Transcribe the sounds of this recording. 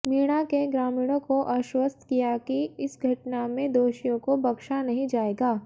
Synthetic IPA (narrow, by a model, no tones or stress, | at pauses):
miːɽ̃akeɡɾaːmiːɽ̃õkoʔaʃwəst̪ʰkijakiɪsɡʱɐʈnamẽd̪oːʃijõkobɐkʃanɐɦĩd͡ʒaːeːɡaː